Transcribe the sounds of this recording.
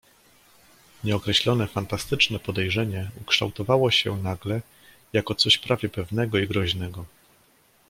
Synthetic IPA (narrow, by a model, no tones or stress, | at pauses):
ɲɛɔkɾɛɕlɔnɛfant̪ast̪ɘt͡ʂnɛpɔd̪ɛjʐɛɲɛukʂt̪a̰wt̪ɔvawɔɕɛ̰naɡlɛ | jakɔt̪sɔɕpɾʔavʲjɛpɛvnɛɡɔiɡɾɔʑnɛɡɔ